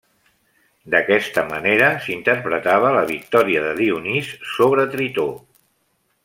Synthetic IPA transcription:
d̪əkɛst̪əməneɾəsint̪əɾpɾət̪aβ̞ələβ̞ik̚t̪ɔɾiəðəðiunisːoβ̞ɾət̪ɾit̪o

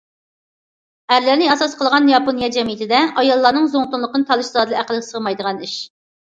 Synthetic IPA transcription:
æɾlɪɾnɪɑsɑsqʰəlˠʁɑnjɑponijɑd͡ʒɛmijit̪ʰɪd̪ɛɑjɑlˠːɑɾnɨŋzoŋt̪unlˠəqənɨt̪ʰɑlˠɨʃzɑd̪ɨlˠɨæqəlˠəɡsəʁmɑjd̪əʁɑniʃ

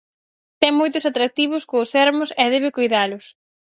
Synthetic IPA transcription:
t̪ɛŋmojt̪ʊsat̪ɾak̚t̪iβ̞ʊskoːsɛɾmʊsɛðɛβɪkujðalʊs

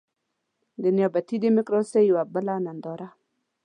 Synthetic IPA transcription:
deniɔbat̪idemikɾosejiwabəlanand̪ɔɾa

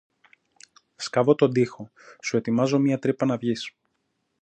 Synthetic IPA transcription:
skɐvo̞t̪o̞nd̪ixo̞ | sue̞t̪imɐzo̞miɐt̪ɾipɐnɐvʝis

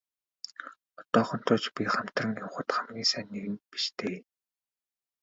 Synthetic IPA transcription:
ɔt̪ɔːχɞ̆n̥t̪ʰʊːt͡ɕpʲiχam̥t̪rə̆ŋjʊwχə̆t̪χamɡʲiːŋsæːnːeɣɘ̆mpi̥ʃt̪ʰeː

